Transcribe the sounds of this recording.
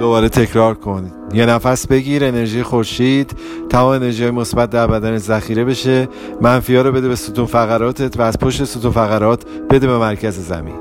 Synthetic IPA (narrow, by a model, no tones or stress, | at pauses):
d̪̥o̞bɒːɾe̞t̪ʰe̞cʰɾɒːɾkʰo̞n | je̞næfæsbe̞ɡiːɾene̞ɾʒiːjexo̞ɾʃiːd̪̥ | t̪ːʰæmɒːmene̞ɾʒihɒːjemo̞sbæt̪̚d̪æɾbæd̪ænezæxiːɾe̞be̞ʃe̞ | mænfijɒːɾobe̞d̪ebe̞sut̪ʰufæɣæɾɒːt̪ʰe̞t̪ʰvæːz̥pʰoʃt̪e̞sut̪ufæɣæɾɒːt̪ʰb̥e̞d̪ebemæɾcʰæzezæ̰mḭːn